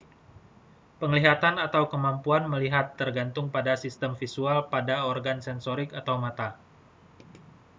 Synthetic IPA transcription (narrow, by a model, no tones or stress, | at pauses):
pəŋliɦat̪anat̪awkəmampuanməliɦat̪ːərɡant̪ʊŋpadasist̪əmfisualpadaɔrɡansɛnsoɾikat̪awmat̪a